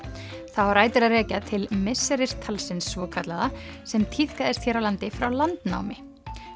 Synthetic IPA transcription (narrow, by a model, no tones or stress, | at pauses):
θawaɾaːjt̪ɪɾaðrɛːcat̪ʰɪlmɪsːɛɾɪɾ̥t̪ʰalsɪnsːvɔːkʰat̪laðasɛmt̪ʰiθkaðɛst̪çɛːɾawlant̪ɪfɾawlant̪na̰wmɪ